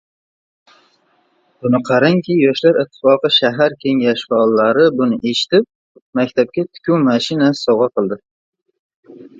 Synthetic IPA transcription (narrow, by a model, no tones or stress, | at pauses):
b̥ʊnɪqʰɑɾaŋkʲijɒʃlaɾɪt̪ʰːɪ̥fɒqɨʃaɦaɾkʲʰe̞ŋɡʲaʃfaɒlːaɾɪbʊnɪʔe̞ʃɪ̥t̪ɪp̚ | makʲt̪ʰap̚kʲat̪ʰʊ̥kʲʰuwmaʃɪnassɒwʁɑqʰɨlˠd̪ɪ